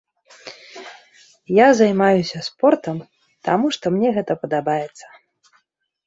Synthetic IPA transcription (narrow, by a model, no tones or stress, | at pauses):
jazajmajusʲɐspɔrt̪ɐm | t̪amuʂt̪ɔmnʲɛɣɛt̪ɐpɐd̪abajɛt̪sːɐ̥